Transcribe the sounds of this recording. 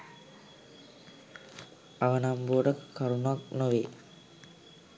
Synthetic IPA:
aʋənamboːɖəkkaɾunuaknoʋe

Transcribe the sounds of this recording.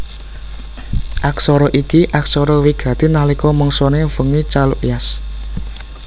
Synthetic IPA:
ʔaksɔɾɔʔikiʔaksɔɾɔwiɡ̥ä̤t̪inalikɔmɔŋsɔnefəŋit͡ʃalṵʔjas

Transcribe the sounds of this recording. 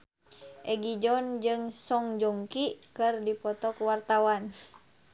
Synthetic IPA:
ʔɛɡid͡ʒɔnd͡ʒɨŋsɔŋd͡ʒɔŋkikɨrdipɔt̪ɔkuwart̪awan

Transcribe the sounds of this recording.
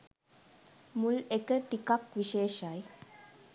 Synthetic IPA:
mulekəʈikakʋiʃeːʃaj

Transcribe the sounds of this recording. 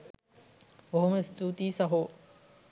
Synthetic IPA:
oɦuməist̪uːt̪iːsɐɦu

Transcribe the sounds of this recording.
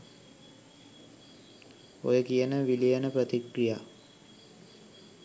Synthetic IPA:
o̰jəkijənəʋilijanəpɾət̪ikɾija

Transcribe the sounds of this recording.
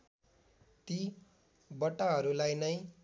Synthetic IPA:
t̪i | bʌʈːaɦʌɾulajnʌj

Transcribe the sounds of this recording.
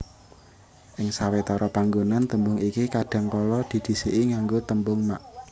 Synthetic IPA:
ʔɪŋsawet̪ɔɾɔpaŋɡonant̪əmbʊŋikikaɖ̥a̤ŋkɔlɔd̪̥i̤d̪̥i̤seʔiŋaŋɡot̪əmbʊŋma̰ʔ

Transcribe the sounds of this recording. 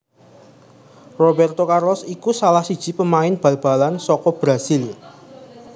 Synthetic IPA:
rɔbɛrt̪okarlɔsikusalahsid̥ʒ̥i̤pəmaɪnb̥a̤lb̥a̤lansɔkɔb̥ɾasil

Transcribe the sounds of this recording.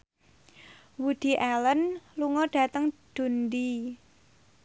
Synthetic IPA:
wud̥i̤ʔɛlənluŋɔɖ̥ä̤t̪əŋd̥ṳndi

